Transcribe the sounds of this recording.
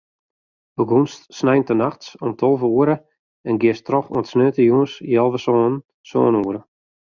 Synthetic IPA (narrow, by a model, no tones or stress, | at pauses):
bəɡunstsnɛjntənaxtsɔmtʰolˠvəuəɾə | ɛnɡɪəstrɔxṵəntsnøːtəjuənsjɛlˠvəsoːn | so̰ːnuəɾə